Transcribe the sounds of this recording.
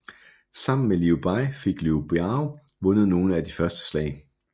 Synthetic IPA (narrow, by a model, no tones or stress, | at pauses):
sɑ̈m̰n̩meliub̥ɑ̈ɪfe̝ɡ̥liub̥eɑʊ | ʋɔ̽nð̞̩ˠno̝ːn̩æd̥ifɶɐsd̥ə̥slɛ̰ɪ